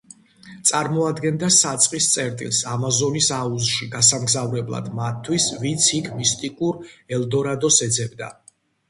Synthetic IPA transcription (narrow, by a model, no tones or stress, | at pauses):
t̪sʼaɾmɔad̪ɡɛnd̪asat̪sʼqʼist̪sʼɛɾt̪ʼḭlˠsamazɔnisauzʃiɡasamɡzavɾɛblˠa̰d̪mat̪ʰːwisvint̪sʰikʰmist̪ʼikʼuɾɛld̪ɔɾad̪ɔsɛd̪zɛbd̪a̰